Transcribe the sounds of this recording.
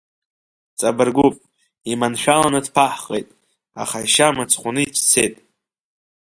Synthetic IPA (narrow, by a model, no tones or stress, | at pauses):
t͡sʼabɨrɡʷupʼ | imanʃᶣalanɨdpʰaħχʼejtʼ | a̰χaiʃamat͡sʰχʷʊnɨit͡ʃʰt͡sʰe̞jtʼ